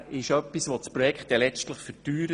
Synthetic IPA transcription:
ɪʃœpːisʋot͡spɾɔjɛkχt̚dɛlɛt͡stləχfətyːɾə

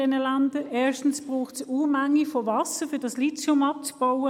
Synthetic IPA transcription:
ɛnəlandəeːʃtn̩sb̥ʁuːχtsuːmæŋːifɔvɑsəfyːɐdɑslit͡sʊmɑp̚t͡sb̥ɔwə

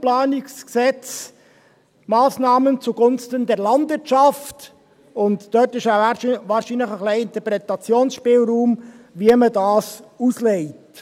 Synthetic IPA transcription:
plɑːnɪksksɛt͡s | mɑːsnɑːmənt͡suɡʊnstəndɛɾlɑndvɪɾtʃɑft | ʊntd̥œtɪʃaʋɑːɾʃiːnləχəχliɪnt̪əɾpɾɛtɑt͡sjoːnsʃpɪːlɾuːmʋiəmədɑːsusleɪt

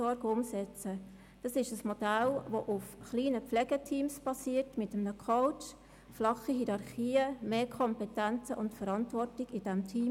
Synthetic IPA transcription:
ɔɾɡəʊmsɛt͡sə | d̥ɑsɪʃəsmɔd̥ælʋoʔʊfχliːnəpflɛɡ̥ətʰiːmsb̥ɑsiːətmɪtəmnəkʰoʊt͡ʃ | flɑχiɦiɾɑɾχiːəmeːkʰɔmpɛtænt͡səʔʊntfəɾɑntʋɔrtɪɡ̥ɪd̥ɛmtʰiːm

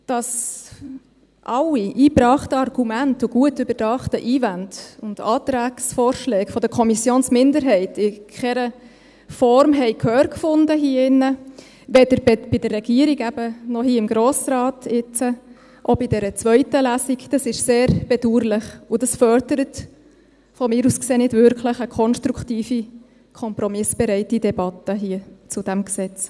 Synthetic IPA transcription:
d̥ɑs | ʔɑlːiʔiːpɾɑχtəɑrɡ̥umæntʊɡ̥uətybəd̥ɑχtəʔiːvændʊnd̥ɑːt̪ɾæːksfɔːɾʃlɛːɡfɔd̥əkʰɔmisjoːnsmɪndəɾɦɛɪtɪkʰɛɾə | fɔɾmɦɛɪkʰhøːɾkfʊndəɦiːəɪnːə | ʋɛdəɾbeb̥ɪd̥ərːɛɡ̥iːəɾiɡæbənɔɦiːəɪmɡɾoːsɾɑːtɪt͡sə | ʔobidɛɾət͡sʋœʏtəlæsiɡd̥ɑsɪʃseːɾb̥ɛduːɾlɪχʊd̥ɑsfœɾdəɾət | fɔmɪːɾuːskseːnɪdvʏɾkʰləχəkʰɔnʃtɾuktiːfi | kʰɔmpɾɔmɪsb̥ɛɾɛɪtidɛbɑtəɦiət͡sʊd̥æmksɛt͡s

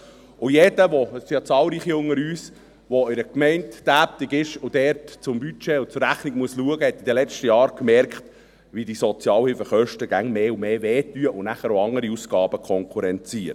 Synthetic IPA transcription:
ʊjɛdəʋɔsjɑt͡sɑːlˠɾiːχiʊŋːəɾyːs | ʋɔɪɾəkmɛɪntd̥æːp̚tiɡɪʃʊd̥ɛɾtt͡sʊmbyt͡ʃeʊt͡sʊɾːæχniɡmuəsluəɡəhɛt̪ːid̪əlɛt͡ʃtəjɑːɾkmɛɾkχt | ʋidisɔt͡sjɑːlhɪlfəχœʃtəɡ̥æŋmeːʊmeːvɛːtyəʔʊnæχəɾoɑŋəɾiusɡ̥ɑːb̥əkʰɔŋkʰuɾɛnt͡siəɾ

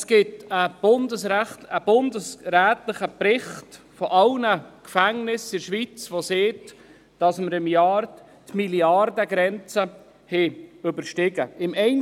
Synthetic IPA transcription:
sɡ̥ɪtəb̥ʊndəsəbʊndəsɾæːtlɪχəpɾɪχt | fɔʔɑlnəkfæŋnɪsɪɾʃʋit͡sʋoseːt | d̥ɑsməɾɪmjɑːɾ | tmiliɑrdəɡɾɛnt͡sə | hɛɵbəɾʃtɪɡəɪmɛɪn

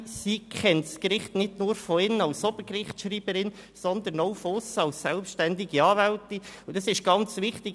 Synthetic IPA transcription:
sikχɛntskɾɪχtnɪdnuːɾfɔɪnəɑwsɔb̥əkrɪχtʃɾiːb̥əɾɪn | sɔnd̪ənɔwfɔʊsɑlssɛlpʃtændɪɡiɑːvæltiud̥ɑsɪʃɡ̥ɑnt͡sʋɪχtɪ

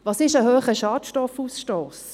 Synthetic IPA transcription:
ʋɑːsɪʃəɦøːχəʃɑːtʃtɔfuːsʃtoːs

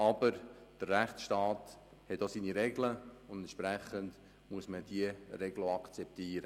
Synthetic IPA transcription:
ɑbəɾd̥ərːæχt͡sʃtɑːt | hɛtdosiːniɾɛɡləʊndɛnʃpɾɛχənd | muəsməd̥iəɾɛɡləɑkt͡sɛp̚tiːəɾə

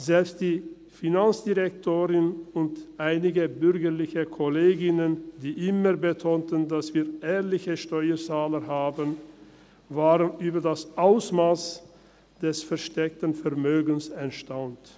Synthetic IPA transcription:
zɛlpstd̥iː | finant͡sd̥iʁɛktʰoːʁɪnʊntʔaɪnɪɡəbʏʁɡəʁlɪçəkʰɔleːɡɪnənd̥iːʔɪməʁbətʰoːntəndasv̥iːɐʔɛːɐlɪçəʃtɔʏɐt͡saːləɦaːbən | vaːʁənyːbɐdasʔaʊsmaːs | d̥ɛsfɛɐʃtɛk̚tən̩fɛɐmøːɡn̩sɛntʃtaʊnt

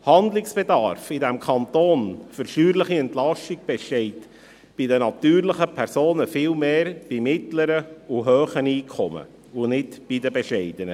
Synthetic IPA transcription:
hɑnd̪lɪksb̥ɛd̪ɑɾfɪdæmkʰɑnt̪oːnfʏɾʃyːɾləχiɛntlɑʃtiɡb̥ɛʃtɛɪt | b̥idənɑt̪yːɾləχəpʰæɾsoːnəfɪːlmeːɾb̥imɪt̪ləɾəʊɦøːχəniːkʰɔmə̰ | ʊnɪtb̥idəbɛʃɛɪd̥̪ənə

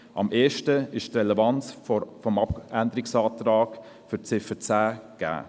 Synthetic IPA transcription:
ʔɑ̰mʔeːʃtəɪʃtrɛlɛvɑnt͡sfɔmɑpænd̪əɾɪksɑːtɾɑːɡ̥ | fyt͡sɪfət͡sæːɡ̥æ̰ː

